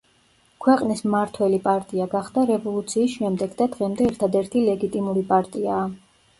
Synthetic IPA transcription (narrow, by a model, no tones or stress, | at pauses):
kʰwɛqʼnismaɾt̪ʰwɛlipʼaɾt̪ʼiaɡaχd̪aɾɛvɔlˠut̪sʰiːsʃɛmd̪ɛɡd̪ad̪ʁɛmd̪ɛːɾt̪ʰad̪ɛɾt̪ʰilɛɡit̪ʼimuɾipʼaɾt̪ʼiaː